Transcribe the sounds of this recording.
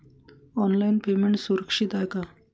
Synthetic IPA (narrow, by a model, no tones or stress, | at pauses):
ɔnlainpemeɳʈsuɾəkʂit̪ajka